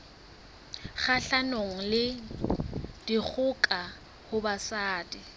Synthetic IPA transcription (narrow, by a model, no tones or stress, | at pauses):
χaɬanoŋ̩lɪ | d̥ik͡xʰʊkʼa | hʊbasaːdi